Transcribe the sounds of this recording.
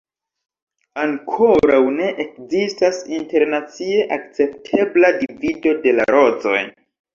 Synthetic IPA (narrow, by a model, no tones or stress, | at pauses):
aŋkʰoɾawne̞ʔekzistasinte̞ɾnat͡sie̞ʔak̚t͡se̞p̚tʰe̞bladivido̞de̞la̰ɾo̞zo̞̰j